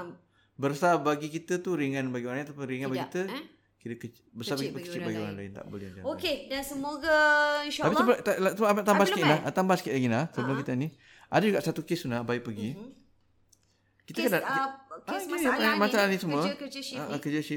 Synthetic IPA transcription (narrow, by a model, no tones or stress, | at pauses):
bərsabaɡikit̪ət̪uɾiŋãnbaɡioɾaŋat̪apʊnɾiŋãnbaɡiikit̪ə | kit̪əkət͡ʃ | bəsapəkit̪əkət͡ʃibaɡioɾa̰ŋlaɪnt̪a̰ʔbolɪ̰had͡ʒaokedansəmoɡainʃatapiət̪alat̪əpat̪ambasəkinlat̪ambahsəkɪʔlaɡinahsəmuəkit̪əni | ʔa̰dad͡ʒuɡaʔsat̪ukesunahbaɪk̚pəɡi | kit̪əkədaʔ | saamasaanisəmuəət͡ʃəʔəkəd͡ʒəʃi